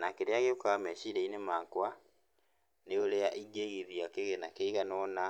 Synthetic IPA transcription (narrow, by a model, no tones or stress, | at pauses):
nakeɾeaɣeokaameʃiɾeinemaːŋkwa | neoleaʔiɡeɣiðjakeɣenakeiɣanɔna